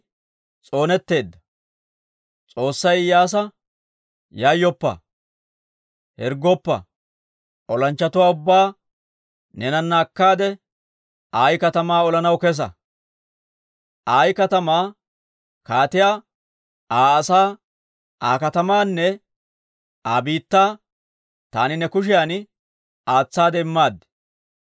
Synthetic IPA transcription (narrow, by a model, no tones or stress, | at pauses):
t͡sʼo̞ːnɛt̪ːe̞ːd̪ːɐ̥ | t͡sʼo̞ːsːɐjjaːs̬ɐ | jaːjːɔpːɐ̰ | hɛɾɡɔpːɐ̰ | ʔɔlɐnt͡ʃːɐt̪ʊwaːʊbːaː | nɛnɐnːaːkːaːd̪ɛ | aːjkɐt̪ɐmaːɔlɐnɐwkɛs̬ɐ̰ | ʔaːjkɐt̪ɐmaː | kaːt̪ɪjaː | ʔaːɐsaː | aːkɐt̪ɐmaːnːɛ | aːbiːt̪ːaː | t̪aːnɪnɛkʊʃ̬ɪjaːn | aːt͡sːaːd̪ɛɪmːaːd̪ɛ̥